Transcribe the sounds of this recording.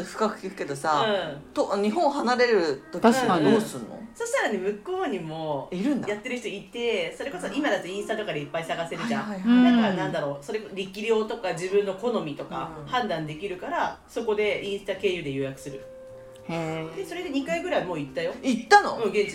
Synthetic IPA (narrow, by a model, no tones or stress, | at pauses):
ɸɯ̥kakɯ̟̥kʲikɯ̟̥ke̞d̪o̞saɯ̃ːt̪oɲ̟iɦõ̞ɰhanaɾe̞ɾɯ̟t̪ok̪ad̪oːsɨnːo̰so̞ɕi̥t̪aɾane̞mɯ̟ko̞ːɲ̟imo̞iɾɯ̟̃nd̪ajat̪ːe̞ɾɯ̟çit̪oit̪e̞so̞ɾe̞ko̞soʔimad̪at̪ːeĩɰ̃sɨ̥t̪at̪o̞kad̪eipːaisaɡase̞ɾɯʑãd̪akaɾanãnd̪aɾo̞so̞ɾe̞koɾʲikʲiɾʲo̞ːt̪o̞kad͡ʑibɯ̟̃nːo̞ko̞no̞mʲit̪o̞ka̰hãnd̪ãnd̪e̞kʲiɾɯ̟kaɾaso̞ko̞d̪e̞ĩɰ̃sɨ̥t̪ake̞ːjɯ̟ːd̪e̞jɯ̟ːjakɯ̟̥sɨɾɯ̟ | d̪e̞soɾe̞d̪e̞ɲ̟ikaiɡɯ̟ɾaimo̞ːit̪ːajo̞it̪ːano̰ɯ̟̃ːɡẽ̞ɲt͡ɕi